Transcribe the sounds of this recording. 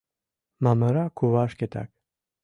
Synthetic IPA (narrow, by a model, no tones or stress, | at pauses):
maməɾakʰuvaʃkɛt̪ʰa̰k